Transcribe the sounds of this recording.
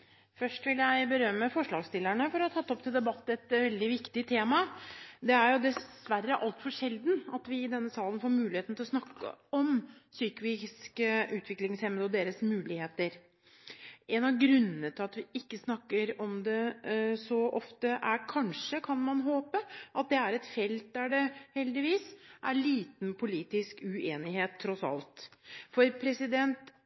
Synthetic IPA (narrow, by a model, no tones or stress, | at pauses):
fœʂʈʋɪljæɪbəɾœmːəfɔʂɭɑːɡst̪ɪlːæɳəfɔɾɔt̪ʰɑt̪ːɔp̚t̪ʰɪld̪ɛbɑt̪ːɛt̪ʋɛld̪ɪʋɪkt̪ɪt̪ʰeːmɑd̪ɛæɾjʊd̪ɛs | ʋærːəʔɑlt̪fɔʂɛld̪nɑt̪ʋɪɪd̪ɛnːəsɑːlənfoːɾmʉːlɪheːt̪n̩t̪ɪlɔsnɑkːə̰ɔmsyːkəʋɪskʔʉːt̪ʰʋɪklɪŋshɛməd̪ɔd̪eːɾəsmʉːlɪheːt̪əɾ | ʔɛnɑʋɡɾʉnːənət̪ʰɪlɑt̪ʋɪɪkːəsnɑkːəɾɔmd̪ɛsɔʔɔft̪əʔæɾkʰɑnʂəkʰɑnmɑnɦoːpəʔɑt̪̚d̪ɛæɾɛt̪fɛlt̪̚d̪æɖɛhɛld̪ɪʋiːsʔæɭiːt̪npʰʊliːt̪ɪskʉeːnɪɦeːt̪ʰːɾɔsɑ̰lt̪fɔɾpʰɾɛsɪd̪ɛnt̪